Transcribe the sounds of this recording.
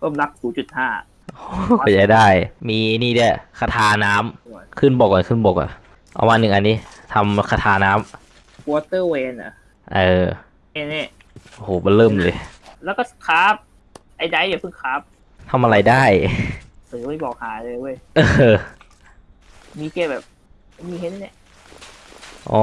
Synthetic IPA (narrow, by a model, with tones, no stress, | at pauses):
ɾu˥˩˨mla˦˥k̚suː˨˦t͡ɕu˨˩t̪̚haː˥˩ | ʔo˩ɔ˧˩ja˧˩daː˥˩jmiː˧niː˥˩di˥˩kʰa˧t̪ʰaː˧naː˦˥mkʰɯ˥˩nbɔː˨˩kːɔ˨nkʰɯ˥˩nbɔː˨˩kːa̰˨˩ | ʔa̰˧wmaː˧nːɯ˨˩ŋʔa˧nːiː˦˥t̪ʰa˧mkʰa˧t̪ʰaː˧naː˦˥m | ko˧t̪ɤː˥˩weː˧na̰˨˩ | ʔɤː˧˩ | ʔe˧ni˧˥˩ | ʔo˧hoː˨˩˦ma˧nlɤː˥˩mlɤː˧jlɛː˦˥wkɔː˥˩kʰaː˦˥p̚ | ʔa˧˩jda˧˩jdiː˧˨˩pʰɯ˥˩ŋkʰaː˦˥p̚ | t̪ʰa˧mʔa˧ɾa˧jdaː˥˩jsɯː˨˦ma˧˥˩jbɔː˨˩k̚haː˩˦lɤː˧ju˧˩˨jʔɤː˧˩ | miː˧keː˧bɛː˨˩p̚ | ma˥˩jmiː˧e˧˥ni˧˥˩ni˧˥˩ | ʔɔ̰ː˧˦